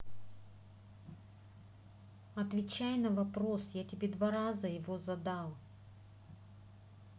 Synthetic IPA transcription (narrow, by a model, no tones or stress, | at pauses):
ɐt̪vʲɪt͡ɕajnɐvɐpɾo̞sjatʲɪbʲed̪vaɾazəjɪvozɐd̪alˠ